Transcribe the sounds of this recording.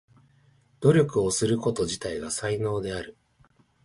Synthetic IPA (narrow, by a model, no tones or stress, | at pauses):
d̪̥o̞ɾʲo̞kɯ̟o̞sɨɾɯ̟ko̞t̪o̞ʑit̪aiɡasaino̞ːd̪e̞aɾɯ̟